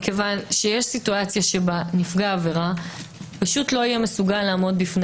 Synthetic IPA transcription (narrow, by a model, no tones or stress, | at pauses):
kevanʃejeʃsituat͡sjaʃebanifɡaːve̞ʁapaʃutlo̞ijɛme̞suɡalːaːmo̞d̚bifn